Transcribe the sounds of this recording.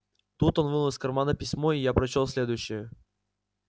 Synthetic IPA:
t̪ut̪o̞nvɨlˠəsʲkɐrmanəpʲɪsʲmoɪjapɾɐt͡ɕolˠsʲlʲed̪ʊjɕːɪjə

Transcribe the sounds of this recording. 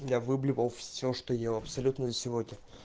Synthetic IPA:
javɨblʲɪpəlˠfʲsʲoʂt̪ojelˠɐpsɐlʲut̪nəzəsʲɪvoɪ

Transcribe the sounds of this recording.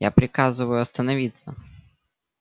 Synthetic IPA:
ja̰pɾʲɪkazɨʋɐjʊɐst̪ɐnɐʋʲit̪sːɐ

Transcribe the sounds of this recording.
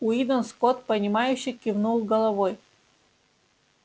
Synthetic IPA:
ʊid̪ənskot̪̚pənʲɪmajʉɕːɪkʲɪvnulˠɡɐlˠɐvoj

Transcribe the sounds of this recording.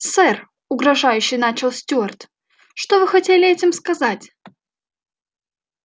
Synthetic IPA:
sɛr | ʊɡɾɐʐajʉɕːɪjnat͡ɕɪlˠsʲtʲuɐrt̪ | ʂt̪ovɨxɐtʲelʲɪɛtʲɪmskɐzatʲ

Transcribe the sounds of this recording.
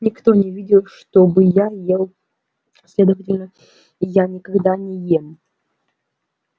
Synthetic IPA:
nʲɪkt̪o̞nʲɪvʲidʲɪlˠʂt̪obɨjajelˠ | sʲlʲed̪əvətʲɪlʲnə | ijanʲɪkɐɡd̪anʲɪjem

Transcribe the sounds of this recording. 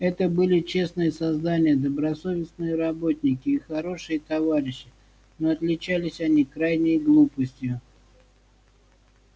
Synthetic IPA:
ɛt̪əbɨlʲɪt͡ɕe̞snɨjəsɐzd̪anʲɪjəd̪əbɾɐso̞vʲɪsnɨjəɾɐbo̞t̪ʲnʲɪkʲɪːxɐɾo̞ʂɨjət̪ɐvaɾʲɪɕːɪ | noɐt̪lʲɪt͡ɕælʲɪsʲɐnʲikɾajnʲəjɡlˠupəsʲtʲjʊ

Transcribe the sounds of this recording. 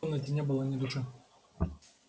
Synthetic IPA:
nəsʲtʲnʲɛbɨlˠɐnʲɪd̪ʊʂɨ

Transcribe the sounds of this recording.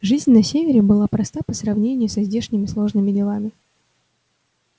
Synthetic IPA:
ʐɨzʲnʲnɐsʲevʲɪɾʲɪbɨlˠapɾɐst̪apəsrɐvnʲenʲɪjʊsɐzʲdʲeʂnʲɪmʲɪslˠo̞ʐnɨmʲɪdʲɪlˠamʲɪ

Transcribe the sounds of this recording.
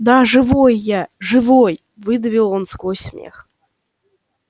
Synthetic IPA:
d̪aʐɨvojːaʐɨvoj | vɨd̪əvʲilˠonskojsʲmʲḛx

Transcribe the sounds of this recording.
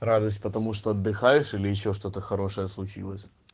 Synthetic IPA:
ɾad̪əsʲtʲpət̪ɐmuʂt̪oɐd̪ːɨxajɪʂilʲɪjɪɕːo̞ʂt̪o̞t̪əxɐɾo̞ʂəjəslˠʊt͡ɕḭlˠəsʲ

